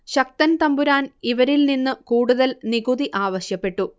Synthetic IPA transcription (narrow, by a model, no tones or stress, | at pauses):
ɕɐk̚t̪ɐnt̪ɐmbuɾaːniʋɐɾilninːɨkuːɽuðɐlniɡuðiʔaːʋɐɕjɐpːe̞ʈːu